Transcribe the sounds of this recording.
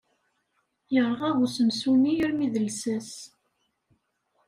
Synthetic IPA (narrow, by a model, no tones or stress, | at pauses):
jəɾˤʁæʁusəmsuniəɾmiðəlsæs